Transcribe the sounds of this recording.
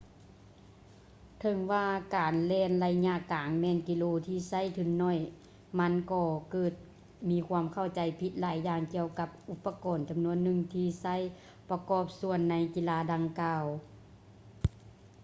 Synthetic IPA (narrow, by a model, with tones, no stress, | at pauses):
t̪ʰɤ˧˩ŋʋaː˧kaː˨˩nlɛː˧˨nla˧jɲa˧˨ʔkaː˨˦ŋmɛː˧˥˨nki˧loː˧t̪ʰiː˧˩sa˧˥˨jt̪ʰɯ˧˩˦ŋːɔ˧˥˨j | ma˧˥˨nkɔː˧kɤː˧˩t̪̚ | miː˧kʰwaː˧˥mkʰa˧˥˩wt͡ɕa˨˩jpʰi˧˦t̪̚laː˨˦jːaː˧ŋki˧əwka˧˥p̚ʔu˧˦pːa˧kɔː˨˩nt͡ɕa˨mnu˧˥ənːɯ˧˨ŋt̪ʰiː˧˩sa˧˥˨j | pa˧kɔː˧˩p̚su˧ənːa˧˥jki˧˥laː˧˥da˧ŋkaː˧w